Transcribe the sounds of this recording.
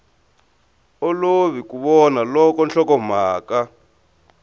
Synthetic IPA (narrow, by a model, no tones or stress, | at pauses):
ɔloβikuβɔnalɔkɔnɬɔkɔm̤aːka